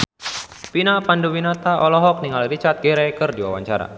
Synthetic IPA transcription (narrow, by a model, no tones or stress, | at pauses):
pinapanduwinat̪aʔɔlɔɦɔk̚niŋalrit͡ʃart̪̚ɡɛɾɛkɨrdiwa̰wa̰ɲt͡ʃaɾa̰